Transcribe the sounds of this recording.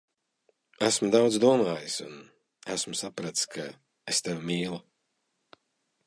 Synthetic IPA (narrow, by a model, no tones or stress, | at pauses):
æsmud̪awd̪zd̪uɔmaːjisun | æsmusapɾat̪skʰa | est̪ewmiːlˠu